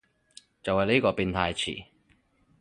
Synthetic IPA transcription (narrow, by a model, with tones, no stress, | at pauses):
t͡sɐ˨whɐ˨jli˥kɔː˧piː˧nt̪ʰaː˧jt͡sʰḭː˨˩